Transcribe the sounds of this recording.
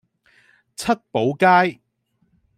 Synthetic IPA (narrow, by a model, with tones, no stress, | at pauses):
t͡sʰɐ˥t̚po˨˥wkaː˥j